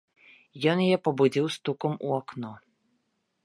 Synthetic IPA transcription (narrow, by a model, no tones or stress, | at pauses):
jɔnjajɛpɐbud͡zʲiwst̪ukɐmṵaknɔ